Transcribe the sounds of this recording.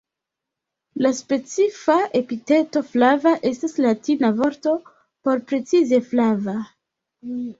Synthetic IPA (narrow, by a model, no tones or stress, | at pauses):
laspe̞t͡sifaʔe̞pite̞to̞flavaʔe̞staslatinavo̞ɾto̞ | po̞ɾpɾe̞t͡size̞flava